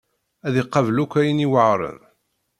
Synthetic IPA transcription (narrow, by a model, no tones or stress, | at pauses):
æðiqːɑvlukʷːæjəniwəʕɾˤə̰ð